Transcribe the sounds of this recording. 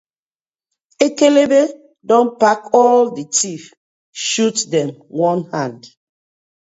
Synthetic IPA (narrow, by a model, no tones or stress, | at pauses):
ekelebe | dɔ̃npakɔlditif | ʃutdɛ̃mwɔ̃nhãnd